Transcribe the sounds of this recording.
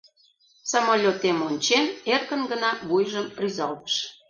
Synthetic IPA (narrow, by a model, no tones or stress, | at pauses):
somolʲot̪emonʲt͡ɕenerkənɡənɑβujʒəmryzɑlt̪ə̥ʃ